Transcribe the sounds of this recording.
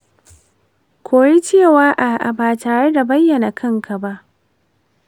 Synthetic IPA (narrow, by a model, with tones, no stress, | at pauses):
kʷʰoː˨ɽi˦t͡ʃeː˦˨waː˦ʔa˨ʔa̰˨baː˨taː˨ɽe˦da˨bɐ˦jːɐ˨na˨kʰɐ˦ŋkʰa˨ba˦ʔ